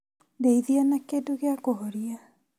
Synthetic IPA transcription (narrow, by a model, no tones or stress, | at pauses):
deiðianakedoɣeakoɦɔɾia